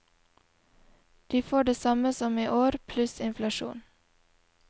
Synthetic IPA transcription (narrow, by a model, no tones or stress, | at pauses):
d̪̥iːfoːɖeːsɑməsɔmiːʔoːɾpʰlʉsɪnflɑʃṵːn